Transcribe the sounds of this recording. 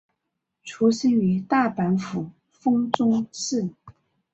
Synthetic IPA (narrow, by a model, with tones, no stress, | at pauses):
ʈ͡ʂʰu˧˥ɕi˥ŋy˧˥t̪a˥˩pa˧˥nfu˨˩ | fɤ˥ŋt͡sʊ˥ŋʂɻ̩˥˩